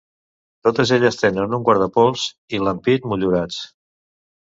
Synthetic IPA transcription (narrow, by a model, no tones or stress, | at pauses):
t̪ot̪əzeʎəst̪enənuŋkwaɾðəpɔlˠz̥ | iləmpitmuʎuɾat͡s